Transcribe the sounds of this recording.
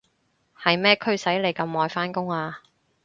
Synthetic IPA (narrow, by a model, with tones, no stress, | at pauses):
hɐ˨jmɛː˥kʰɵ˥ɥsɐ˨˥jle˨˩jkɐ˧mːɔː˨˧jfaː˥nkʊ˥ŋaː˧